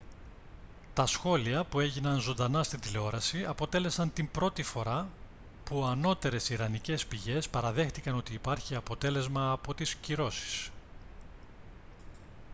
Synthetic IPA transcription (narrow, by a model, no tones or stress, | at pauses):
t̪ɐsxo̞liɐpue̞ʝinɐnzo̞nd̪ɐnɐst̪ind̪ile̞o̞ɾɐsiɐpo̞t̪e̞le̞sɐnt̪imbɾo̞t̪ifo̞ɾɐ | puɐno̞t̪e̞ɾe̞siɾɐnice̞spiʝe̞spɐɾɐðe̞xt̪ikɐno̞t̪iːpɐɾçiɐpo̞t̪e̞le̞zmɐːpo̞t̪isciɾo̞si̥s